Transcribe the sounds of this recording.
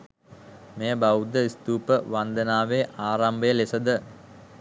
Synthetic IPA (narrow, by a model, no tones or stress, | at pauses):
mejəbawud̪əist̪uːpəʋand̪ənaːʋeʔaːɾambəjəlesəd̪ə